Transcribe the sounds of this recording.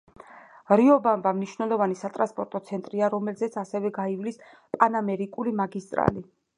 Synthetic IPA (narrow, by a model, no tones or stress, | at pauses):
ɾiɔbambamniʃwnɛlˠɔvanisat̪ʼɾa̰nspʼɔɾt̪ʼɔt̪sʰɛnt̪ʼɾiaɾɔmɛlzɛt̪sʰasɛvɛɡaivlis | pʼanamɛɾikʼulimaɡist̪ʼɾa̰li